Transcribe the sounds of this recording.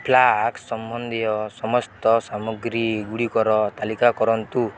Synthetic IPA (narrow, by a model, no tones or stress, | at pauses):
pʰlaksɔmbʱɔnd̪ʱijɔsɔmɔst̪ɔsamɔɡɾiɡuɽikɔɾɔt̪alikakɔɾɔnt̪u